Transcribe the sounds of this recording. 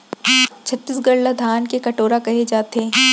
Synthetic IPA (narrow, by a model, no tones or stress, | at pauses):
t͡ʃʰɐt̪ːisɡɐɽlad̪ʱaːnkekɐʈoːɾakɐɦed͡ʒaːt̪ɦeː